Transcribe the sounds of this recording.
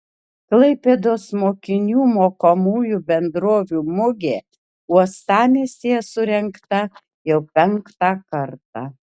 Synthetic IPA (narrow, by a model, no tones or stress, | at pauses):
klˠɐɪpʲeːd̪oːsmoːkʲɪnʲuːmoːkomuːjubʲɛnd̪ɾoːʋʲuːmʊɡʲeː | uɔst̪ɑːmʲeːsʲesʊɾʲɛŋkt̪ɐ | jɛʊpʲɛŋkt̪ɑːkɐɾt̪ɑ